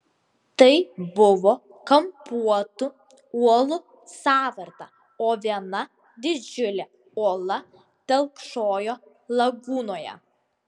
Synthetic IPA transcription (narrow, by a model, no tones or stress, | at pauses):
t̪ɐɪbʊʋo | kɐmpuɔt̪ʊ | uɔlˠʊ | sɑːʋɐɾt̪ɐ̰ | oːʋʲiɛnɐ | d̪ʲɪd͡ʒʲʊlʲɛ | uɔlˠɐ | t̪ʲɛlˠkʃoːjoː | lˠɐɡuːnoːjɛ̰